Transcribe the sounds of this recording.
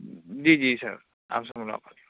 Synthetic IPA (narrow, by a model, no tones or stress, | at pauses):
d͡ʒid͡ʒisa̰ɹ | a̰msamula̰pʰal